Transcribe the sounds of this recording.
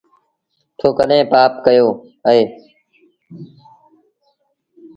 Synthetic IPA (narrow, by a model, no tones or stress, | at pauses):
t̪ʰoːkəɗɦẽːpaːpkəjoː | əɦeː